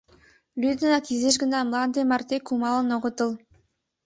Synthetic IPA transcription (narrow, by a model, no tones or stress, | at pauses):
lʲyd̪ə̆nɑkizeʃ̬ɡə̆nɑmlˠɑnd̪emɑrt̪ekumɑlˠɤ̆noʁŏt̪ɤ̆lˠ